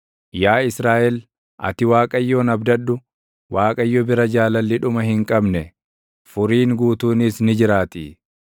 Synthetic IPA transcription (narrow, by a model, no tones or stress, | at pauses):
jaːɪsɾaːʔɛl | ʔɐ̰t̪ɪwaːkʼɐjːoːnɐbd̪ɐɗːʊ | waːkʼɐjːɔbɪɾɐd͡ʒaːlɐlːɪᶑʊmɐhɪŋkʼɐbnɛ | fʊɾiːŋɡuːt̪uːnɪsnɪd͡ʒɪɾaːt̪ɪ̰